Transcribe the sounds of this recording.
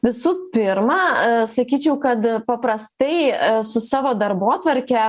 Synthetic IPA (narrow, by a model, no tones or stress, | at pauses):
ʋʲɪsuːpʲɪɾmɑsɐkʲiːt͡ʃʲɛʊkɐt̪pɐpɾɐst̪ɐɪsʊsɑːʋoːd̪ɐɾboːt̪ʋɐɾʲkʲɛ